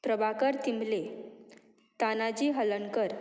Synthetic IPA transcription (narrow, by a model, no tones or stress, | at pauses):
pɾəbakəɾt̪imle | t̪anad͡ʑiɦələnkəɾ